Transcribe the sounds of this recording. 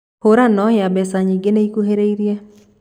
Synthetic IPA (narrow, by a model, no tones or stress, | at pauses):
hoɾanɔhjabɛsaɲiɡeneikuɦeɾeiɾja